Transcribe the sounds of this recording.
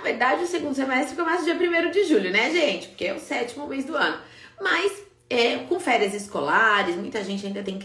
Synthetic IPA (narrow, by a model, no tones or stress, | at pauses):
veɾd̪ad͡ʒɪʊseɡũnd̪ʊsemɛst̪ɾfɪkoɛmajzʊd͡ʒiɐpɾimejɾʊd͡ʒɪʒuʎʊnɛʒẽt͡ʃɪ̥pʊɾkeɛʊsɛt͡ʃimʊmezd̪ʊɐ̃nʊ | mɐs | ɛkõfɛɾiɐzɪskolaɾɪsmũj̃t̪ɐʒẽnt͡ʃɪãd̪ɐt̪ẽj̃k